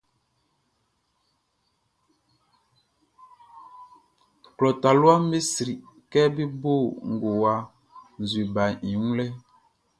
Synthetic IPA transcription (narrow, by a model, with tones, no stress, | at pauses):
klɔ˨ta˨lwa˦m˦be˦sɾi˨ʔkɛ˦bi˦bo˦˨ŋ̩˨ɡo˨wa˦ | n̩˨zwi˨ba˨i˨u˦lɛ˦